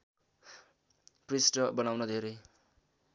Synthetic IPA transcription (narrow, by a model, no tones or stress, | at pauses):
prisʈʌbʌnawnʌd̪ʱeɾʌj